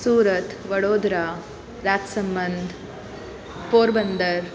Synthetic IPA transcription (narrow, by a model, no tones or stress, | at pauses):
suːɾɐt̪ʋɐɽoːd̪ɾaː | ɾaːt̪sɐmbɐnd̪ʱ | poːɾbɐnd̪ɐɾ